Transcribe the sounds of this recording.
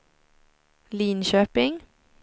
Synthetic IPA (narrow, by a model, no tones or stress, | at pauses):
liːnʃøːpɪŋ